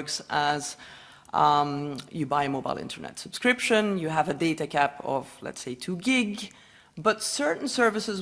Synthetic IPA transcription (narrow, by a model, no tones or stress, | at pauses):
ksʔəz̥ | jɨbaɪɨmoʊbaɪlˠɪ̰̃ntʰə̰˞nɛ̰tsəb̥skɹɪpʃə̃njɨəvədeɪɾɨkʰæpʰʌ̰v̥lɛ̰tseɪtʰuɡɪɡ | bʌtsɜ˞ʔn̩sɜ˞vɨsɨz